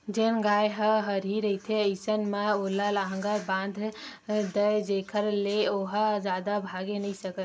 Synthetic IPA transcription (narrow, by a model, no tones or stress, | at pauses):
d͡ʒenɡaːjɦəɦəɾiɾəit̪ʰeəɪsənmeolalaɦəŋɡəɾbãːnd̪ʱd̪əd͡ʒeːkʰəɾleoɦəd͡ʒaːd̪abʱaɡenəĩsəkə